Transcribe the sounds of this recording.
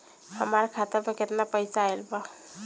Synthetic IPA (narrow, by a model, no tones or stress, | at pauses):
həmaɾkʰat̪əɾmeket̪napəjsaelba